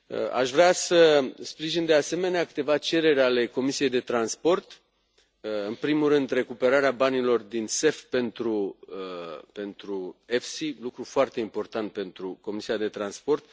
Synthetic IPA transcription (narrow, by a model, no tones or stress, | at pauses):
a̰ʃvɾeasəspɾiʒind̪e̞ase̞me̞neakɨ̥t̪e̞vat͡ʃe̞ɾe̞ɾʲale̞ko̞misije̞jd̪e̞t̪ɾanspo̞rt̪ | ɨnpɾimurɨnd̪re̞kupe̞ɾaɾeabanilo̞rd̪inse̞fpe̞nt̪ɾu | pe̞nt̪ɾue̞fsilukɾufoart̪e̞impo̞rt̪ant̪̚pe̞nt̪ɾuko̞misiad̪e̞t̪ɾanspo̞rt̪